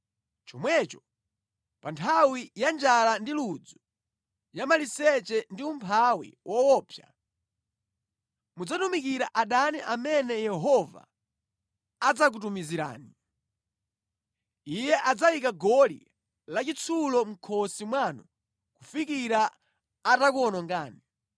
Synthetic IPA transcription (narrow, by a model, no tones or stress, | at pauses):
t͡ʃɔmwɛt͡ʃɔ | pantʰawijand͡ʒalandilud͡zɔ | jamalisɛt͡ʃɛndiumpʰawḭwʔɔwɔːpʰja̰ | mud͡zatumikiɾaʔaɗaniʔamɛnɛjɛɦɔva̰ | d͡zak̬utumiziɾa̰ːni | ijɛʔad͡zajikaɡɔlḭ | lat͡ʃit͡sʰulɔm̩kʰɔsimwanu | kufikiɾaː | takuɔnɔŋɡaːni